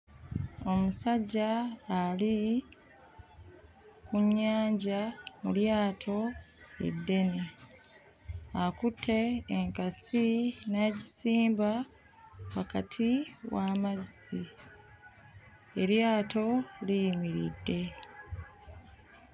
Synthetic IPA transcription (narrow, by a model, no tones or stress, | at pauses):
o̞musaɟːaːli | kuɲːaːɲɟamuljaːtʰo̞ | ḛdːe̞ne | akutʰːe̞ːŋkasinaɟisiːmba | wakatʰiwaːmazi | eɾjaːto̞lijimiɾḭdːe̞